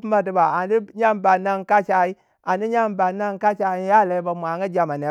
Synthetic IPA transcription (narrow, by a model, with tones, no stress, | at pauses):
pma˨di˦ba˨a˨di˦ɲa˦mba˨na˦ŋka˦t͡ʃa˨i˦ | a˨ni˦ɲa˦mba˨na˦ŋka˦t͡ʃa˨i˦ja˦˨la˨i˦ba˨mʷ˨a˨ŋɡa˦d͡ʒa˨ma˨ne˨˦